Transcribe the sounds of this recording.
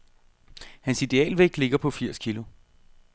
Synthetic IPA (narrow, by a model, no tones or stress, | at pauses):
hænsid̥e̝ɛ̰ːlʋeɡ̥d̥le̝ɡ̥ɐpʰɒ̽fiɐ̰skʰilʊ